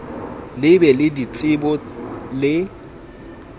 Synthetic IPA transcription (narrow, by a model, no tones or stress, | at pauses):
lɪbɛlɪdit͡sʼɪbɔlɪ